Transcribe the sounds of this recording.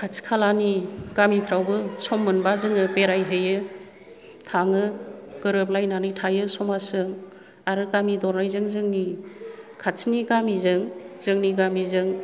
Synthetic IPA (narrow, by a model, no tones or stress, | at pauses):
kʰat͡ʃkʰalaniɡ̥amipʰɾawbɯsɔmːɯnbazɯŋɯpeɾajɦɯjɯ | tʰaŋɯɡ̥ɯɾɯp̬̚lajnanɯjtʰajɯsɔmasɯŋ | aɾɯkamidɔɾnajzɯŋzɯŋni | kʰat͡ʃʰniɡamizɯŋzɯŋniɡamizɯŋ